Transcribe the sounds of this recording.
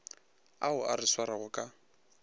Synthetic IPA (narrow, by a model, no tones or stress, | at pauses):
aʊarɪswaɾaɣʊkʼa